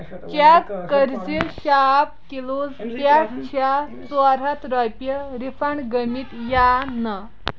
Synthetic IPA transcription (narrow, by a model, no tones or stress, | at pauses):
t͡ɕakkəɾd͡ziɕap̚kilod͡zpjakt͡ɕʰa | t͡saɾat̪ɾajpjəɾifaɳɡəmit̪janə